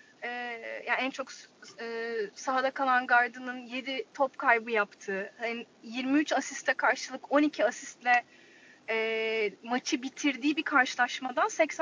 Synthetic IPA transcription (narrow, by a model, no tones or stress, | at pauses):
ɛːjaænt͡ʃʰo̞kː | saɦad̪akʰalˠanɡaɾd̪ɯnɯnje̞d̪it̪ʰopkʰajbɯjapt̪ʰɯːhani | jiɾmiyt͡ʃasist̪ːʲɛkʰaɾʃɯlˠɯko̞nicʰiasist̪lʲɛ | ɛːmat͡ʃʰɯbit̪ʰiɾd̪iːbikʰaɾʃɯlˠaʃmad̪ansɛcs